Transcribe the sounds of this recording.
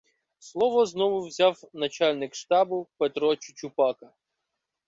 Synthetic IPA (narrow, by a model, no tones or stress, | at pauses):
slˠɔʋɔznɔʋʊwzʲɑwnɐt͡ʃalʲnɪkʃt̪ɑbʊpet̪ɾɔt͡ʃʊ̥t͡ʃʊpɑkɐ